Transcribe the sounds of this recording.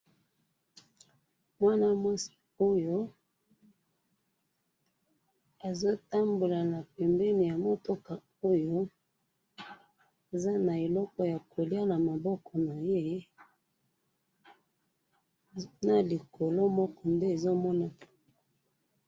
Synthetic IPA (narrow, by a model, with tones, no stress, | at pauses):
mwa˦na˦mwa˦si̥˨ | o˦jo˦ | e˨zo˦ta˦mbo˨la˨na˨pɛ˨mbɛ˦ni˨ja˨mo˦to˦ka˨ | o˦jo˦ | e˨za˦na˨e˨lɔ˦kɔ˨ja˨kʰo˨li˦a˦na˨ma˨bɔ˦kɔ˨na˨je˦ | na˨li˨ko˨lo˦mɔ˦kɔ˨nde˦e˨zo˦mɔ˦na˨